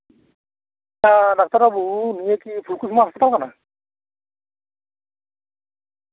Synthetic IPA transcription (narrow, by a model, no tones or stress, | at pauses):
adak̚taɾabuunijekipʰulkusmaɦɔspɔtalkana